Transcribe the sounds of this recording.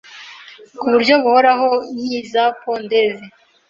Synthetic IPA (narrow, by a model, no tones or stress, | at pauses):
kuβuɾɟo̞βuhoɾaɦonɲiːzapondeve